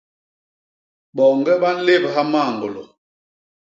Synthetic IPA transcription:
ɓɔ˨ŋɡɛ˦ɓa˦n̩˦le˦bɦa˦maː˦˨ŋɡo˨lo̰˨

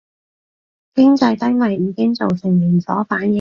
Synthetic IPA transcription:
kɪ˥ŋt͡sɐ˧jt̪ɐ˥mɐ˨˩jːiː˨˧kɪ˥ŋt͡so˨wsɪ˨˩ŋjiː˨˩ŋt͡sɔ̰ː˨˥faː˨˥njɪ˨

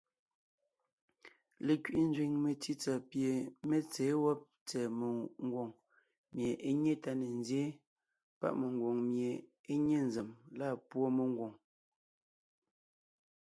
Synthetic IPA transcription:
le˨kɥi˨ʔi˦n˦d͡ʒɥi˨ŋme˨ti˦t͡sa˨pje˨me˦t͡sɛː˨˦wɔ˦p̚ | t͡sɛː˨me˨ŋ˦ɡwo˨ŋ | mje˨ʔe˦ɲe˦ta˦ne˨n˦zje˦ | pa̰˦˨ʔme˨ŋ˨ɡwo˨ŋmje˨ | e˦ɲe˦˨n˨ze˨mla˦˨pwo˦me˨ŋ˦ɡwo˨ŋ

